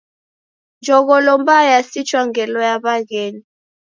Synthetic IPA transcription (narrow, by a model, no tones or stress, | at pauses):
nd͡ʒʱɔɣɔlɔmbajasit͡ʃʰʼwaŋɡɛlɔjaɓaɣɛːni